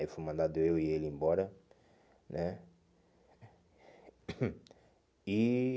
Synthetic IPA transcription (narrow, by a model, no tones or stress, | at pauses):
ifojmɐ̃nd̪ad̪ʊewielẽbɔɾɐ | nɛ | i